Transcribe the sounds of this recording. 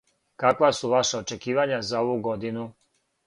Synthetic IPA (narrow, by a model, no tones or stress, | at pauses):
kakʋasuʋaʃaot͡ʃe̞kiːʋaɲazaoʋuɡo̞d̪inu